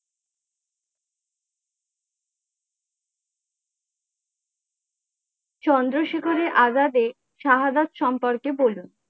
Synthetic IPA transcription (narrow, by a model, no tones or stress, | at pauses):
t͡ɕɔnd̪ɾoʃekʰoɾeʔazad̪e | ʃaɦad̪at̪ʃɔmpoɾkebolun